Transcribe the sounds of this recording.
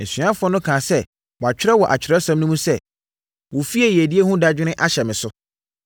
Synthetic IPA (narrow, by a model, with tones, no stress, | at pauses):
n̩˨sĩ˨˦ã˦fʊ˦ɔ˦nʊ̃˦kʰãː˨sɛ˦ | wɔ˨a˨t͡ɕᶣɪ˦ɾɛ˦wɔ˨ʔa˨t͡ɕʰᶣɪ˨ɾɛ˦sã˦mnʊ̃˦mũ˦sɛ˦˨ | wɔ˨fi˦ɛ˨jæ˨di˦e˦hũ˦da˦d͡ʑᶣɪ˦nɪ̃˦ʔa˦ɕɛ˨mɪ̃˨sʊ˦